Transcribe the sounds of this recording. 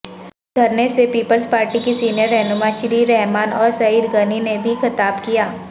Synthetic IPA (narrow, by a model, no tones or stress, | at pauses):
ɡ̪ʱɐɾnesepiːpəlspaːɾʈikisiːnijəɾːɛːnʊmãːʃɾiːɾɛɦmaːnɔːɾsɐid̪ɡɐninebʱixɐt̪aːbkijaː